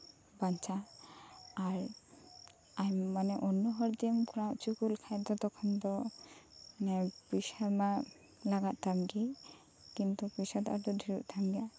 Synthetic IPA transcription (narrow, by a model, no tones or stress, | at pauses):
bant͡ʃa | aɾ | ajːanɛʔɔnːɔɦɔɾd̪imkuɾãʔt͡ʃukulkʰajd̪ɔt̪ɔkʰɔnd̪ɔ | pisaɾma | laɡat̪̚t̪amɡi | kint̪upisat̪ad̪ɔdʱiɾuʔ̚t̪ʰamɡija